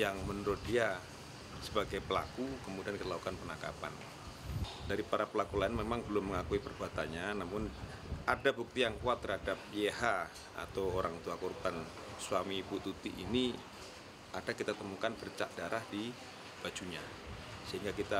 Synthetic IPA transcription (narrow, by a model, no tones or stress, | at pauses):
jaŋmənəɾʊt̪̚dia | səbaɡajpəla̰kukəmudiankit̪alaku̥kanpənaka̰pa̰n | daɾipaɾapəlakulaɪnmemaŋbəlʊmːəŋakuipərbuat̪anɲanamʊn | adabuk̚t̪ijaŋkuat̪ːərhadap̚jeɦa | a̰t̪awoɾaŋt̪uakorban | swamiput̪ut̪ḭʔḭni | adakit̪at̪əmukanbərt͡ʃa̰ʔdaɾʔahdi | b̥ad͡ʒuɲa | səɦiŋɡakit̪a